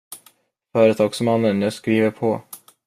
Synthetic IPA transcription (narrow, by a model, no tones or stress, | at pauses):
fœːɾət̪ʰɑːɡsmanːənjaskɾiːvəɾpʰɔ